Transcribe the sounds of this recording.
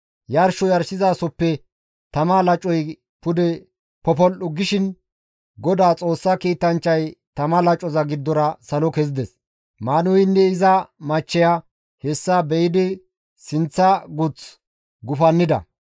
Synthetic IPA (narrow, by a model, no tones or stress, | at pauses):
jɐɾʃɔjɐɾsɪzaːsɔpːɛ | t̪ɐmalɐt͡ʃʼːɔj | pʊd̪ɛ | pɔp̬ɔlʔʊɡɪʃɪn | ɡɔd̪aːt͡sʼo̞ːsːɐkiːt̪ɐnt͡ʃːɐjt̪ɐmɐlɐt͡ʃʼːɔzɐɡɪd̪ːɔɾɐsɐlɔkɛzɪd̪ɛs | maːnʊɪnːɛɪzɐmɐt͡ʃːɛja | hɛsːabɛjɪd̪ɪ | sɪnt͡sːɐɡʊt͡s | ɡʊfɐnːɪd̪ɐ̰